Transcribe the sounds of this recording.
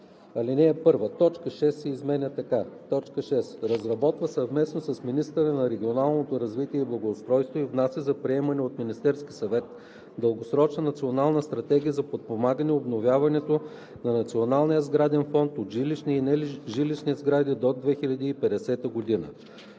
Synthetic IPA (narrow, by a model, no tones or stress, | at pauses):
ɐlinɛːpɤɾvət̪ɔt͡ʃkəʃɛsːɛizmɛnʲət̪ɐkat̪ɔt͡ʃkəʃɛsɾɐzɾɐbɔt̪vəsɐvmɛsnosɐsminist̪əɾənɐɾɛɡʲionalˠnot̪oɾɐzvit̪iɛiblˠɐɡoːst̪ɾɔjst̪voivnasʲəzɐpɾiɛmɐnɛot̪minist̪ɛɾskʲisɐvɛt̪ | d̪əlˠɡosɾɔt͡ʃnənɐt̪sionalˠnəst̪ɾɐt̪ɛɡʲiəzɐpot̪̚pomaɡənɛobnovʲjavɐnɛt̪o | nɐnɐt̪sionalˠnijəzɡɾad̪ɛnfɔnt̪ot̪ʒliʃniinɛlʒiliʃnizɡɾad̪id̪od̪vɛxilʲɐd̪iːpɛd̪ɛsɛt̪əɡod̪inə̰